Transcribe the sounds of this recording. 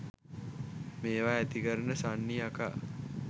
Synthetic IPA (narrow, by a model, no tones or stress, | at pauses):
meːʋaːæt̪ikəɾənəsanːiaka̰